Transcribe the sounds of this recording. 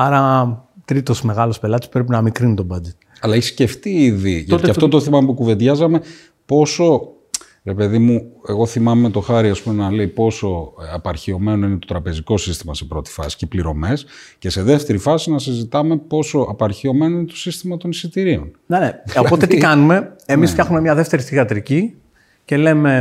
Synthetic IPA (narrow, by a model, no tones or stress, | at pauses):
ɐɾɐt̪ɾit̪o̞sme̞ɣɐlo̞spe̞lɐt̪eppɾep̬inɐmikɾinut̪o̞bɐd͡ʒet̪ | ɐlɐiçsce̞ft̪iiðiʝɐɐfo̞t̪oθimɐmpukuve̞nd̪ʝɐzɐme̞ | po̞so̞ | ɾe̞pe̞ðimue̞ɣo̞θimɐmet̪o̞xɐɾiɐspume̞nɐle̞ipo̞so̞ɐpɐɾçio̞me̞no̞ine̞t̪o̞t̪ɾɐpe̞ziko̞sist̪imɐse̞pɾo̞t̪i̥fɐ̰si̥cepliɾo̞̰me̞sce̞se̞ðe̞ft̪e̞ɾifɐsinɐs̬izit̪ɐme̞po̞so̞ʔɐpɐɾçio̞me̞no̞inet̪o̞sist̪imɐt̪o̞nisit̪iɾio̞̰n | neneoot̪et̪ikɐnume̞emisfçɐxumemɲɐðe̞ft̪e̞ɾisθiɣɐt̪ɾici | ce̞leme̞